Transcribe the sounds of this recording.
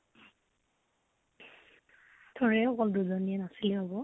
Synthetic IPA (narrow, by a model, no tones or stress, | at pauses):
tʰɔɹɛɔkɔlduzɔniɛnasiliɦobɔ